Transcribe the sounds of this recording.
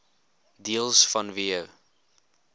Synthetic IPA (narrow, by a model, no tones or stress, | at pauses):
diəlˠsfɐnviəw